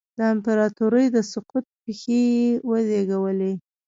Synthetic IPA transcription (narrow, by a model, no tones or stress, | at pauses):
d̪əɪmpaɾɑt̪uɾəjd̪əsʊqut̪̚pexewəzeɡawəle